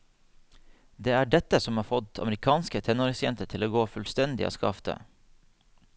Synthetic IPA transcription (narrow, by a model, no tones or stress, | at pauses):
d̪eːæːɖɛt̪əsɔmɑːɾfɔt̪ʰɑ̰məɾɪkʰɑːnskət̪ʰɛnɔɾɪŋsjɛnt̪əʈʰɪloːɡoːfʉlst̪ɛnd̪ɪ̰o̰ːskɑ̰ft̪ə̰